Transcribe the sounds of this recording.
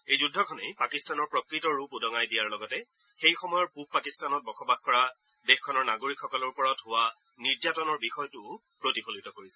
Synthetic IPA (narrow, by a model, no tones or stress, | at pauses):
ejzudʱːɔkʰɔnejpakistanɔɹpɹɔkɹitɔɹupudɔŋajdijaɹlɔɡɔtɛ | xejxɔmɔjɔɹpup̚pakistanɔt̚bɔxɔbaxkɔɹa | dexkʰɔnɔɹnaɡoɹikxɔkɔlɔɹpɔɹɔtɦʊwa | niɹd͡ʒatɔnɔɹbixɔjɔtʊ | pɹotipʰolitɔkoɹisɛ̥